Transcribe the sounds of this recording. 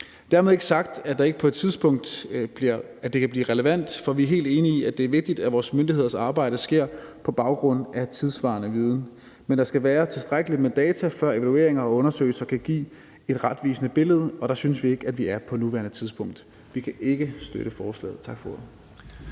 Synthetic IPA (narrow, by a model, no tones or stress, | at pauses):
d̥æɐmeðˠe̝ɡ̥əsɑ̈ɡ̥d̥æd̥ɑ̈e̝ɡ̥əpʰɒ̽e̝d̥t͡sʰiðˠsb̥ɔ̽ŋ̰d̥b̥iɐ̰ | æd̥e̝kʰæb̥liːʁɛləʋæn̰d̥fɒ̽ʋiɐɦe̝̰ːld̥e̝ːniiæd̥e̝æɐʋe̝ɡ̥̚d̥id̥æʋɒːsmønd̥ihe̝ð̞̰ˠɐsɑ̈ːb̥ɑ̈ɪ̰d̥əsɡ̥e̝ɐ̰pʰɒ̽b̥ɑ̈ʊɡ̥ʁɔ̽n̰æt͡sʰiðˠsʋɑ̰̈ːnəʋiːð̞ˠn̩ | mend̥ɑ̈sɡ̥æʋæːɐt͡sʰe̝sd̥ʁaɡ̥əli̥med̥ɛːt͡sʰæfɶɐ̰e̝ʋælue̝ɐ̰eŋɐɒ̽ɔ̽nɐsø̰ːɪsɐkʰæɡ̥ḭː | e̝d̥ʁɑd̥ʋiːsənəb̥e̝ləð̞ˠəɒ̽ɾ̥ɑ̈synəsʋie̝ɡ̥ædʋiæɐpʰɒ̽nuʋæɐnət͡sʰið̞ˠsb̥ɔ̽ŋ̰d̥ | ʋikʰæʔe̝ɡ̥əsd̥øɾ̥əfɒːslɛ̰ːð̩ˠt͡sʰɑ̈ɡ̥fɔ̰ɐð